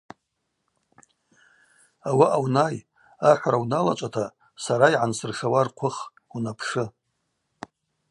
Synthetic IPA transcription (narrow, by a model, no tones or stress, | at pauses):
awaʔawnaj | aħʷaɾawnalat͡ʃʷʼatʰa | saɾaiʕansɨrʂawarqʷʰʊχ | unapʰʂɨ